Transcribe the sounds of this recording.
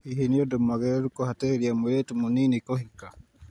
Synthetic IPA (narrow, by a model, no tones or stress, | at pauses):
iɦeniodomaɣeɾukohateɾiamujetumuninikohika